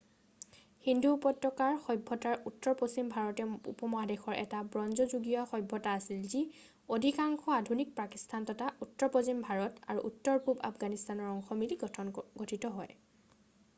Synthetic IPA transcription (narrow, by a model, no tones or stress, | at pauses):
hindupɔtɹɔkaɹxɔjbʱːɔtaɹutːɔɹposimbʱaɹɔtɛṵpɔmɔadexɔɹʔɛ̰tabɹɔnzɔzuɡijɔxɔjbʱːɔtaːsilzi | odʱikaŋxʰɔadʱunik̚pakistʰantɔtautːɔɹposimbʱaɹɔtaɹṵʔutːɔɹbʱuba̰pɡanistanɔɹɔŋxɔmiliɡɔtʰɔnɡotʰitɔɦɔj